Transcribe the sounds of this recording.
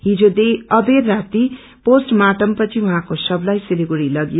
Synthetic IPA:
ɦid͡zod̪eʌberːat̪i | posʈmaʈʌmpʌt͡sʰiũɦãkosʌblajsiliɡuɾilʌɡjo

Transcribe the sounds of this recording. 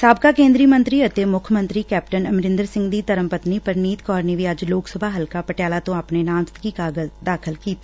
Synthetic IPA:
saːb̚kaːkẽːnd̪ɾiːmə̃nt̪ɾiːət̪eːmʊkʰmə̃nt̪ɾiːkɛːp̚ʈənəmɾɪ̃nd̪əɾsɪ̃ŋɡd̪iːt̪əɾəmpət̪niːpəɾniːt̪kɔːɾneːʋiːəd͡ʒloːksəbʱaːɦəlkaːpəʈjaːlaːt̪õːapneːnãːmst̪kiːkaːɡəzd̪aːkʰəlkiːt̪a

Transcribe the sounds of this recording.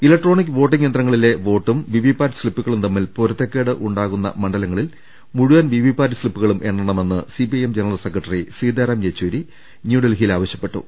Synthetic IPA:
ilɐk̚ʈro̞ːɳik̬ːɨʋo̞ːʈːiŋjend̪rɐŋːɐɭile̞ʋo̞ːʈːumʋiʋipaːɾɐsɭipːuɣɐɭumt̪ɐmːilpoɾɐt̪ːekːeːɽɨʔuɳɖaːɣunːɐ̰mɐɳɖɐlɐŋːɐɭil | muɻuʋɐnʋiʋibaːɾɐslipːuɣɐɭumʔe̞ɳɖɐɳɐme̞nːɨsipiɐjemd͡ʑenɐrɐlse̞kːrɐʈːɐrisiːd̪eːɾɐːmjet͡ɕːuːɾi | njuːɽelɦilaːʋɐɕjɐpːe̞ʈːṵ

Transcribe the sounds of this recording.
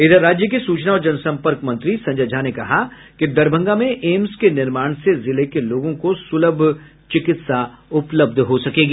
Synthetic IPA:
ɪd̪əɾːaːd͡ʒjək̬isuːt͡ʃnaɔːɾd͡ʒɐnsɐ̃mpəɾkmɐ̃nt̪ɾisɐ̃ɲd͡ʒəd͡ʒʱanekɐɦa | kid̪ɐɾbʱə̃ŋɡamẽʔeːmskenɪɾmaːɽ̃sezɪlekeloːɡõkosʊləbʱ | t͡ʃɪkɪt̪saʊpləb̚d̪ʱɦosɐkeːɡiː

